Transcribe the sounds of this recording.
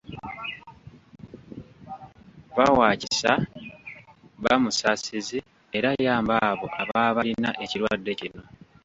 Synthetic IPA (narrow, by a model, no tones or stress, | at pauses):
βawaːcisa | βamusasizi | e̞ɾajaːmbaːβo̞ʔaβaːβalinaʔe̞ciɾwadːe̞cino̞